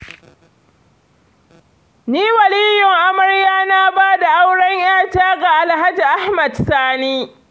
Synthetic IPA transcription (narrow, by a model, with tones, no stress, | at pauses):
niː˦wɐ˨liː˦jʊ˨ŋʔa˦mɐ˨ɽjaː˦naː˦baː˦da˨ʔa˦wɽɐ˦ŋj̰aː˦taː˦ɡa˨ʔa˨lɦa˦d͡ʒi˨ʔa˦hmɐ˨dsaː˦niː˦